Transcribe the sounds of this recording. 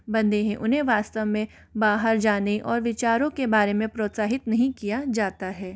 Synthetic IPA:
bɐ̃nd̪eɦẽʔʊnɦẽʋaːst̪əʋmẽ | baːɦəɾd͡ʒaːneʔɔːɾʋɪt͡ʃaːɾõkebaːɾemẽpɾoːt̪saːɦɪt̪nɐɦĩkijad͡ʒaːt̪aɦɛː

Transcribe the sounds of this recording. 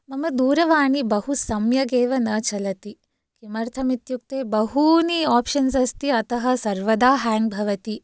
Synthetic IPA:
mɐmɐd̪uːɾɐʋaːɳibɐɦusɐmjɐɡeːʋɐnɐːt͡ʃɐlɐt̪i | kimɐɾt̪ʰɐmit̪juk̚t̪eːbɐɦuniaːpʃɐnsɐst̪iɐt̪ɐɦɐ̆sɐɾʋɐd̪aːɦaːŋbʱɐʋɐt̪i

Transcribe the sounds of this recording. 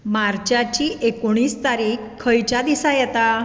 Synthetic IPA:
maɾt͡ɕat͡ɕiːʔekoɽ̃iːst̪aɾiːkʰːəjt͡ɕad̪isajɛt̪a

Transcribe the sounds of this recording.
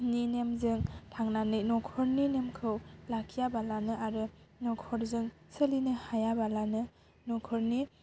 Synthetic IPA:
ninemzɯŋtʰaŋnanɯjnɔkʰɔɾninemkʰɯwlakʰijabalanɯʔaɾɯ | nɔkʰɔɾzɯŋ | sɯlinɯhajabalanɯ | nɔkʰɔɾni

